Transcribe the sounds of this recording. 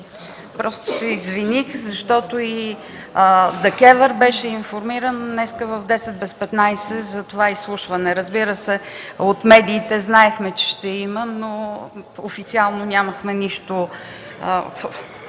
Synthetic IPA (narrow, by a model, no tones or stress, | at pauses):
pɾɔst̪ʊ̥sɛizvinixzɐʃt̪ɔt̪oi | d̪ɛkɛvɛɾbɛʃɛinfoɾmiɾənːɛskəvəvd̪ɛsɛt̪̚bɛspɛt̪najsɛzɐt̪ovaislˠuʃvɐnɛɾəzbiɾəsɛot̪mɛd̪iːt̪ɛznaɛxmɛt͡ʃɛ̥ʃt̪ɛiməno | ofit̪sialˠnonʲaməxmɛniʃt̪o | f